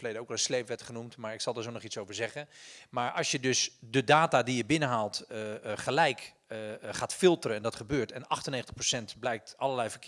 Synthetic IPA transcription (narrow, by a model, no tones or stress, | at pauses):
fəlejdəowkʋɛlˠəslejpʋɛtχənumtmaːɹɪksɑlˠdaɹsonɔχitsowvəɹzɛχəmaːɹɑ̰lˠsjədɵsdədaːtadijəbɪnəɦaːlˠtχəlɛjk | χaːtfɪlˠtərəɛndɑtχəbøːɹtɛnɑχtəneχətə̥χprosɛntblɛjk̚tɑlˠəɹlɛjvəɹk